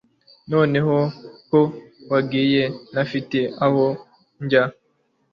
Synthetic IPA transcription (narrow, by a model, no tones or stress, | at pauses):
no̞ːne̞hokowaɡiːjenafiteaho | ɲɟa